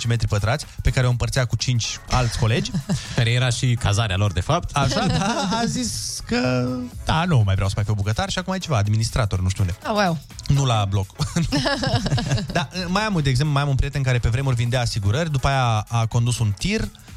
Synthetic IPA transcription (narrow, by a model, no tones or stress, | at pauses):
t͡ʃime̞t̪ɾipət̪ɾat̪sʲpe̞kaɾeoɨmpərt̪sijakut͡ʃint͡ʃʲalt̪sʲko̞le̞d͡ʒʲkaɾe̞jeɾaʃikazaɾealo̞rd̪e̞fapt̪aʃaːziskəd̪̥anumajvɾeawsəfajpebukət̪arʃiakumait͡ʃe̞vaːd̪minist̪ɾat̪o̞rʲnuʃt̪uund̪ewawnulablo̞k | d̪aɨmajamud̪eɡzemplumajamunpɾiet̪eɨŋkaɾe̞pe̞vɾemeurʲvind̪eaːsiɡuɾərʲd̪upaːjaːko̞nd̪usunt̪ir